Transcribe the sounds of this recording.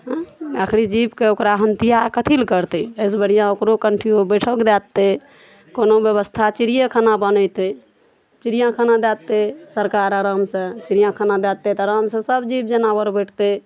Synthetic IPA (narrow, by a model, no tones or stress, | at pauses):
ɦakʰɾid͡ʒibkeokɾaɦənt̪ijakət̪ʰilkəɾt̪ɛəs̬bəɽ̤ijãokɾokəɳʈʰiobəʈʰɔkd̪ɛt̪ːe | konobjəβəst̪ʰat͡ʃiɾijəkʰanabənət̪e | t͡ʃiɾijãkʰanad̪ɛt̪ːesəɾkaɾəɾəmsə̃t͡ʃiɾijãkʰanad̪ɛt̪ːet̪əɾəmsə̃səbd͡ʒib̚d͡ʒənabəɾbəʈʰt̪e